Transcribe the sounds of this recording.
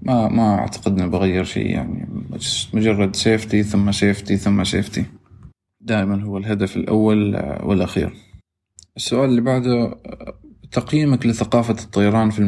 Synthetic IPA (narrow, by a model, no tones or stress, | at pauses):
mamaʔa̰ʕt̪ḁqɪd̪nbɪɣajːɪɾʃḭːja̰ʕnḭamʊd͡ʒɑrˤːɑd̪ʃeːft̪iθʊmːaʃeːft̪iθʊmːaʃḛːft̪i | d̪aːʔɪmanɦʊwːalɦad̪afɪlʔa̰wːalwɪ̰lʔaxḭːɾ | ʔɪsːʊʔaːlɪlːibaʕd̪a | t̪ɑqjiːmaklɪθaqɑːfat̪ˤːɑjɑɾˤɑːnfil